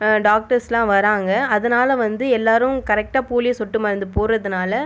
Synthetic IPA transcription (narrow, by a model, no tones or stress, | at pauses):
ɖaːk̚ʈɐɾslãːʋɐɾaːŋɡɐɐðɐnaːlɐʋɐnd̪ɯɛlːaːɾɯ̃mkɐɾɛk̚ʈaːpuːlɪjɐsɔʈːɯmɐɾɐnd̪ɯpoːɾɐðɯnaːlɐ